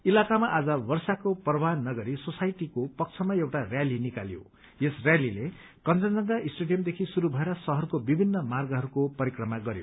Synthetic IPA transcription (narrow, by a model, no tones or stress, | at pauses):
ilakamaʔad͡zʌwʌrsakoprʌbanːʌɡʌɾisosajʈikopʌk̚t͡sʰʌmaewʈarjalinikaljo̰ | jesrjalile | kʌnt͡sʌnd͡zʌŋɡaisʈeɖijʌmd̪ekʰisuɾubʱʌeɾʌsʌɦʌrkobibʱinːʌmarɡʌɦʌɾukopʌɾikrʌmaɡʌɾjo̰